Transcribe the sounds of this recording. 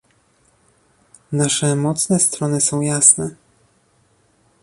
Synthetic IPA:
naʂɛmɔt̪snɛst̪ɾɔnɘsɔ̃w̃jasnɛ

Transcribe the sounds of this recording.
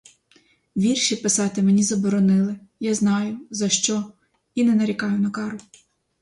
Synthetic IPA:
ʋʲirʃipɪsɑt̪ɪmenʲizɐbɔɾɔnɪlˠɪjaznɑjʊzɐʃt͡ʃɔ | inɛnɐɾʲikɑjʊnɐkɑɾʊ

